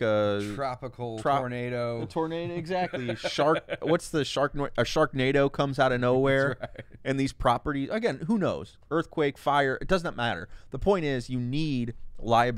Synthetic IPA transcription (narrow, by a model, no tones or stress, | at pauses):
əɹ̥ɑpəkʰl̩ˠʰɹ̥ɑɔɹneɪɾoʊtʰɔɹneɪɾoʊɨɡzæk̚tˡliʃɑɹk̚wʌtsðɨʃɑɹk̚nʔɨʃɑɹk̚neɪɾoʊkʰʌ̃mzaʊɾɨnoʊwɛɹɨ̃nðiz̥pʰɹ̥ɑpə˞ɾizɨɡɛ̃nɦunoʊz̥ | ɜ˞θkʰw̥eɪkfaɪə˞ʔɨt̚d̥ʌznət̚mæɾə̰˞ðəpʰɔ̃ɪ̃ñɪzjɨnid̚laɪɨb